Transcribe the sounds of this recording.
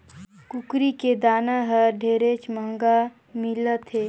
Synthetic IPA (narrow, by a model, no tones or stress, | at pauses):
kʊkɾiked̪aːnaɦəɖʱeːɾet͡ʃməŋɡa | milət̪ʰɦeː